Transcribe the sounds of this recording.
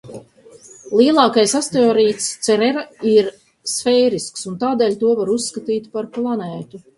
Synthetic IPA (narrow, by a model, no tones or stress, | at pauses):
lˠiɛlˠɑːkajsast̪eɔːɾiːt̪st̪sɛɾɛɾaiɾ | sfɛjɾisksunt̪aːd̪eːlʲt̪uɔvaɾusːkat̪iːt̪ʲpaɾplˠanɛːt̪u